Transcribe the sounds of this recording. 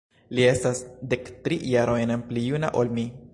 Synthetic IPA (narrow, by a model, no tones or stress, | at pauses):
lie̞stasde̞ktɾijaɾojnnplijuna̰ʔolmi